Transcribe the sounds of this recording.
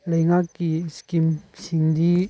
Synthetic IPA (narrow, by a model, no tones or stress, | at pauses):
lɐjŋakːiskimsiŋd̪i